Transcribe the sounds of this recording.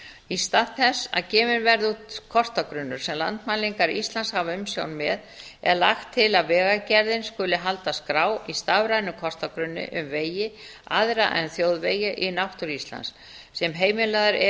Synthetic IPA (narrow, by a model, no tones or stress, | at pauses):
ist̪aθɛsːa̰ðcɛːmɪnvɛɾðut̪kʰɔst̪akɾʏnːʏɾ̥sɛmla̰nt̪maliŋkaɾist̪lanshavaʏmsjo̰wnmɛð | ɛ̰ɾla̰xt̪ʰːɪlavɛːɣacɛɾðɪnskʏlːɪɦalt̪askɾaːwist̪avɾajnʏkʰɔst̪akɾʏnːɪ̰ʔʏmveːjɪa̰ðɾa̰ʔɛ̰nθjoːwðveːjɪʔinawht̪ʏɾist̪la̰nsː | ɛmɦeːjmɪlaðaɾɛ